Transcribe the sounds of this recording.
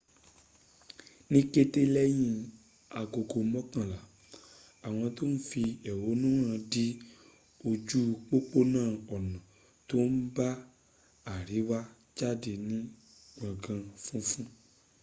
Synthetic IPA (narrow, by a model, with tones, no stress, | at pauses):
nĩ˦ke˧te˧˦lɛ˦j̃ĩ˧ | a˨ɡo˨ɡo˨mɔ̃˦kã˦˨la˨ | a˨w̃ɔ̃˧to˦n̩˦fi˧ɛ˨wo˨˦nũ˦ɾ̃ã˧di˦ | o˧d͡ʒu˦k͡po˦k͡po˦nãː˦˨ɔ˨nã˨ | to˦n̩˦ba˦ | a˨ɾi˨˦wa˦ | d͡ʒa˦˨de˧nĩ˦ | ɡ͡bã˨ɡã˧fũ˦fũ˦